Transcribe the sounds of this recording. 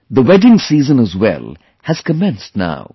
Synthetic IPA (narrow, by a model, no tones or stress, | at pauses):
d̪əwɛɖɪ̃ŋsiːzə̃nəzwɛ̰lˠ | hɨz̥kəmɛ̃nsna̰ʊ